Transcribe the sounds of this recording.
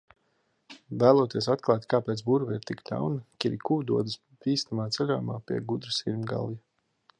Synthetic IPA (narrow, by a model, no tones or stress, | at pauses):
væːlˠuɔt̪iɛsat̪̚klˠaːt̪kaːpeːt̪sbuɾvɛiɾt̪ikd̪a̰wnɐkʲiɾikuːd̪uɔd̪ɨs | piːst̪amaːt̪sɛlʲoːjmaːpiɛɡud̪ɾɨsiɾmʲɡa̰lˠja